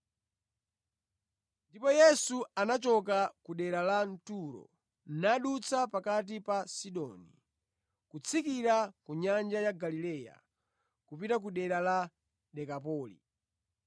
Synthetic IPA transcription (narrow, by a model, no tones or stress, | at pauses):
ndipɔjɛsuanat͡ʃɔk̬akuɗɛɾalan̩tuɾɔ̰ | naɗut͡sʰapakat̬ipasiɗɔ̰ːni | kut͡sʰikiɾakuɲand͡ʒajaɡalilɛːja̰ | kupitak̬uɗɛɾala | ɗɛkapɔːlḭ